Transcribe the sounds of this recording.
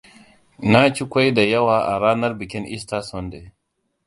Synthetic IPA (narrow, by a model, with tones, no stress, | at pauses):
na˦t͡ʃi˦kʷa˦jda˨jɐ˦waː˨ʔa̰˨ɾaː˦nɐ˦rbɪ˨kʲɪ˦nʔɪ̰˦staː˦sɔ˦nde˨